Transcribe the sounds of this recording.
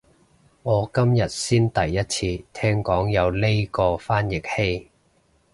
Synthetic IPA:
ŋɔː˨˧kɐ˥mjɐ˨t̚siː˥nt̪ɐ˨jːɐ˥t̚t͡sʰiː˧t̪ʰɛː˥ŋkɔː˨˥ŋjɐ˨˧wle˥jkɔː˧faː˥njɪ˨˩k̚he˥j

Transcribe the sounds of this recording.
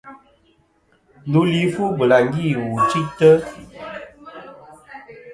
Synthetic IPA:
lu˦li˦fu˦bə˨la˨ŋ˦ɡi˦˨wu˨t͡ʃi˦tə˦

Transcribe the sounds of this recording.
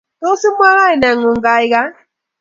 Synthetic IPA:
to˦si˦m˦a˦ɣa˦i˨na˨ŋu˨ŋɡa˨i˦ka˦

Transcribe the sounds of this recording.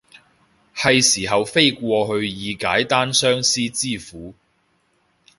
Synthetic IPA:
hɐ˨jsiː˨˩ɦɐ˨wfe˥jkʷɔː˧ɦɵ˧ɥjiː˨˧ka̰ː˨˥jt̪aː˥nsœː˥ŋsiː˥t͡siː˥˩fuː˨˥

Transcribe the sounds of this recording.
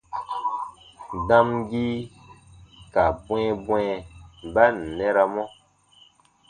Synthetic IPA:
dã˦mɡi˦ | ka˨bw̃ɛ̃˦bwɛ̃˨˦ba˦n̩˨nɛ˦ɾa˨mɔ˦

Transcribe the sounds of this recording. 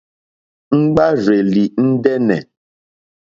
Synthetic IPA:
ŋ͡m̩˦ɡ͡ba˦ɾe˨li˨n̩˦dɛ˦nɛ̰˨

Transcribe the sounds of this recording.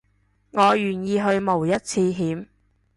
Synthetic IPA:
ŋɔː˨˧jyː˨˩njiː˧ɦɵ˧ɥmo˨˩wjɐ˥t̚t͡sʰiː˧ɦiː˨˥m

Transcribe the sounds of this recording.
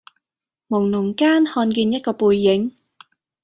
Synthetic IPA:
mʊ˨˩ŋnʊ˨˩ŋkaː˥nhɔː˧nkiː˧njɐ˥t̚kɔː˧puː˧jːɪ˨˥ŋ

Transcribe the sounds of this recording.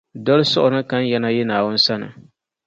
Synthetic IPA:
dɔ˦lɨ˦sʊ˦ʔʊ˨nɨ˦ka˦n˦jɛ˦na˦jɛ˦naː˨wʊ˦n̩˦sa˦nɨ̰˨

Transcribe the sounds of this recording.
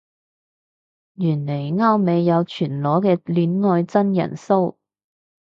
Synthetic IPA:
jyː˨˩nle˨˩jŋaː˥wme˨˧jːɐ˨˧wt͡ʃʰyː˨˩nlɔː˨˥kɛː˧lyː˨˧nŋɔː˧jt͡sɐ˥njɐ̰˨˩nso˥w

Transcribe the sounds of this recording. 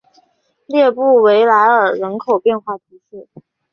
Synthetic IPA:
ljɛ˥˧pu˥˩we˧˥ɪla˧˥ɪə˨˩ɻə˧˥nkʰo˨˩ʊpjɛ˥˧nxwa˥˩t̪ʰi˧˥ɕɛ˥˩

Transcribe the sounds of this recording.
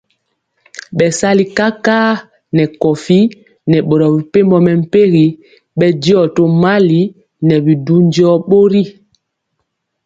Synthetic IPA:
ɓɛ˨sa˦li˨ka˦kaː˦ | nɛ˨kɔ˨fi˦ | nɛ˨ɓɔ˨ɾɔ˨bi˨pe˦mbɔ˨mɛ˨m̩˦pe˦ɣi˨ | ɓɛ˦di˦ɔ˨to˦ma˦li˨˦ | nɛ˨bi˨du˦n˦d͡ʒi˦ɔ˦ɓo˦ɾi˦

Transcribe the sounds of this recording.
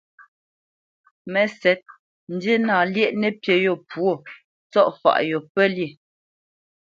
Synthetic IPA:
mɛ˨sɛ˨˦t̚ | n̩˨de˦naː˨ljɛ˦ʔnɛ˦˨pje˨jɔ˨pwo˦˨ | t͡sɔ˦˨ʔfa̰˨ʔjɔ˨pɛ˦li˨

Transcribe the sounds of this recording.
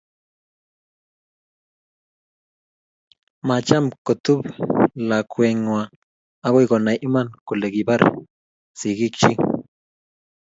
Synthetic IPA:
ma˨t͡ʃa˦mko˨t̪u˦bla˨kwe˨ŋwa˨ | a˦ko˦ɡo˨na˨jʔi˦ma˦˨nku˨le˨ɡi˨ba˦ɾ | si˨ɡi˦k̚t͡ʃi˦ŋ

